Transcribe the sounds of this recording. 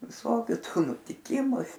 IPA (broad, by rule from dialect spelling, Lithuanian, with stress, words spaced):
ʋʲɪˈsoːkʲʊ ˈtuː nʊtʲɪˈkʲɪmʊ